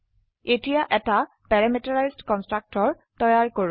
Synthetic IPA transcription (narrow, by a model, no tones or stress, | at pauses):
etijaʔɛta | pɛɹamitaɹajzdkɔnstɹak̚tɔɹ | tɔjaɹkoɹ